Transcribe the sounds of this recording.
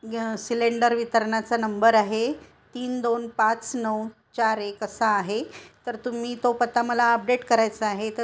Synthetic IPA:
sileɳɖəɾʋit̪əɾɳat͡sanəmbəɾaɦe | t̪iːnd̪onpat͡snəw | t͡ɕaɾekəsaːɦet̪əɾt̪um̤iːt̪opət̪aməlaəp̚ɖeʈkəɾajt͡səaɦet̪ə

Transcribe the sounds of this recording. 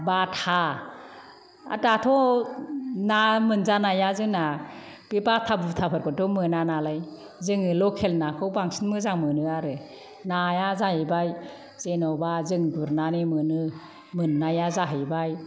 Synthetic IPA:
batʰa | a̰tatʰɔ | namɯnzanajazɯŋna | b̥ebatʰabɯtʰapʰɯɾkʰɔtɔmɯnanalaj | zɯŋɯlɔkʰelnakʰɯwbaŋsʰinmɯzaŋmɯnɯaɾɯ | najazahibaj | z̥enɔbazɯŋduɾnanimɯnɯ | mɯnːajazaɦɯjbaj

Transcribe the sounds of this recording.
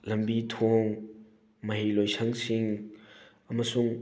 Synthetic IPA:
lɐmbitʰoŋ | mɐɦilojsʰɐŋsiŋ | ɐmɐsuŋ

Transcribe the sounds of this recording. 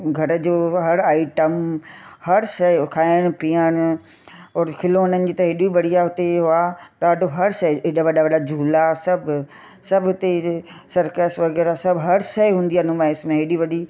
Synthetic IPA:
ɡʱɐɾəd͡ʑoːɦɐɽaːɪʈəmhɐɾʃɐjkʰaːɪɽ̃piəɽ̃ | ɔːɾkʰɪloːnənɪ̆d͡ʑiːt̪ɐɦɪɗiʋɐɽiaɦʊt̪eɦuaɗaːɖʱoɦɐɾʃɐiɪɗaʋɐɗaʋɐɗad͡ʑʱuːlasɐbʱ | sɐbʱɦʊt̪esɐɾkeːsʋɐɣɛːɾasɐbʱɦɐɾʃɐjɦũːnd̪ianũmãɪsmẽɦeɗiʋɐɗi

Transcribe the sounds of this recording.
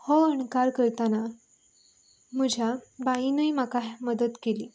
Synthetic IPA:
hɔəɳkaɾkəɾt̪ana | məd͡ʑʱabainəjmakaɦməd̪ət̪keliː

